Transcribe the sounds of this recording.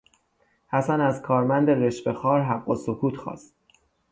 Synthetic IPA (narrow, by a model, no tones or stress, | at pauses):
hæsænæzkʰɒːɾmænd̪eɾeʃbe̞xɒːɾɦæɢːosokʰuːt̪ʰxɒ̰ːst̪̚